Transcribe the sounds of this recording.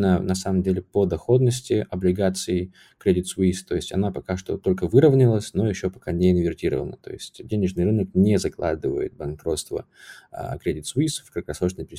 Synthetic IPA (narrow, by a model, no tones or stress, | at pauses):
nənɐsaməmdʲelʲɪpəd̪ɐxo̞d̪nəsʲtʲɪʔɐblʲɪɡat̪sɨɪ | kɾʲedʲɪt̪sʊist̪ːo̞jɪsʲtʲɐ̰napɐkaʂt̪o̞̰t̪o̞lʲkəvɨɾəvnʲɪlˠəsʲno̞jɪɕːo̞pɐkanʲeɪnvʲɪrtʲiɾə̰və̰nə̰t̪o̞̰jɪsʲtʲdʲenʲɪʐnɨjrɨnək̚nʲezɐklˠa̰d̪ɨvə̰jɪ̰t̪̚bɐnkɾo̞t̪st̪və̰ | kɾʲedʲɪt̪sʊisfkəkɾɐsˠoʐnəpʲɪɾʲɪ